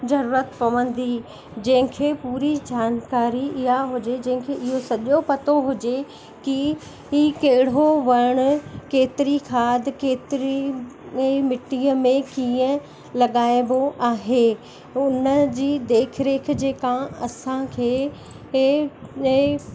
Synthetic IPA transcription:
zɐɾuːɾət̪pɐʋə̃n̆d̪i | d͡ʑɐ̃ɦɪ̃kʰeːpuːɾid͡ʑaːnkaːɾiɪɦaɦʊd͡ʑed͡ʑɐ̃ɦɪ̃kʰeːʔɪɦosɐʄopɐt̪oɦʊd͡ʑe | ki | iːkɐɦɪɽ̤oʋɐɾɽ̃ʊ̆keːt̪ɪɾikʰaːd̪ɪkeːt̪ɪɾi | mɪʈːiəmẽkiːə̃ | lɐɠaːɪboʔaːɦe | ʊnəd͡ʑiːd̪eːkʰɾeːk̆ʰd͡ʑeːkãɐsãkʰeː

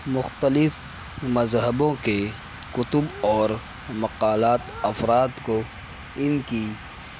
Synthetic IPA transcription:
mʊxt̪əlɪf | mɐzɦəbõke | kʊt̪ʊbɔːɾ | mɐqaːlaːt̪ɐfɾaːd̪ko | ɪnki

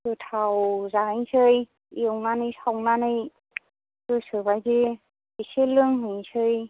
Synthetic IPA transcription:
kɯtʰawzaɯjŋsɯj | iwnanɯjsawnanɯj | kɯsɯbajzi | biselɯŋɦɯjsʰɯj

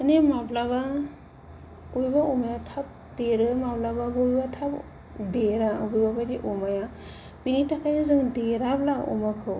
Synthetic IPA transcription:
ɯnemablaβa | ujbaumajatʰap̚deɾɯmablababojbatʰap | deɾabubabadiʔumaja | pinitakʰajazɯŋdeɾablaɔ̰makʰɯw

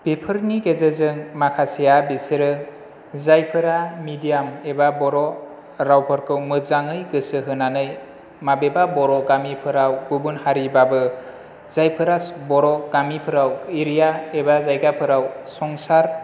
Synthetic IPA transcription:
b̥epʰɯɾniɡezezɯŋmakʰasijabisɯɾɯ | zajpʰɯɾamidijamebabɔɾɔ | ɾawpʰɯɾkʰɯwmɯzaŋɯjɡɯsɯɦɯnanɯj | mabebabɔɾɔɡamipʰɯɾawbubunhaɾibabɯ | zajpʰɯɾabɔɾɔɡ̥amipʰɯɾawiɾijaebazajɡapʰɯɾawsɔŋsaɾ

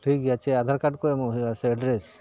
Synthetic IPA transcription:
ʈʰikjat͡ʃʰead̪ʱaɾkaʈkoemoɦiaseɛɖɾes

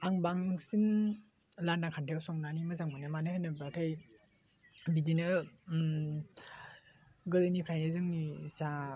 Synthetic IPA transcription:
aŋbaŋsin | landaŋkʰantʰajawsɔŋnanimɯzaŋmɯnɯmanɯhanɯbɾatʰaj | bidinɯ | ɡɯdɯnipʰɾajnezɯŋnisa

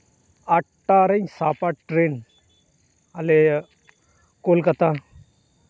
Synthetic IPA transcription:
aʈʈːaɾə̃nsapaʈʈɾen | ale | kolkat̪ã

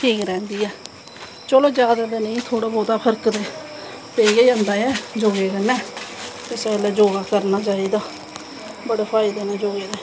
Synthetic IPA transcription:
ʈʰiːkɾɛ̃ːnd̪iːɛː | t͡ʃəloːd͡ʒjaːd̪ad̪eːnəĩːt̪ʰoːɽaːbɔːt̪aːpʰəɾkd̪eː | peijaiənd̪aːɛːd͡ʒoːɡeːkənɛ̃ːt̪esɛːlɛːd͡ʒoːɡaːkəɾnaːt͡ʃaːiːd̪aː | bəɽeːpʰaːid̪eːnɛ̃ːd͡ʒoːɡeːd̪eː

